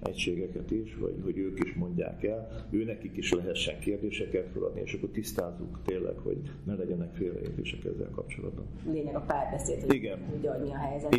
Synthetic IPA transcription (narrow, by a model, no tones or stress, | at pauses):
ɛ̰cʃeːɡɛkɛt̪iʃʋɒ̰ɟɦo̞ɟøːkiʃmo̞ɲɟa̰ːkɛløːnɛkikiʃlɛɦɛt̪ʃːɛŋkeːrd̪eːʃɛkɛt̪folɒ̰d̪nieːʃɒkːort̪ist̪aːzːukt̪eːlːʔɛ̰kho̰ɟnɛlɛɟɛnɛkfeːlrɛ̰lḛːt̪ḛːʃɛkɛ̰zːɛ̰lkɒp̚t͡ʃo̞lɒ̰d̪̚bɒnleːɲɛɡɒpaːrbɛseːlt̪hoiɡɛnuːɟɒɟɲiɒɦɛjɛzɛ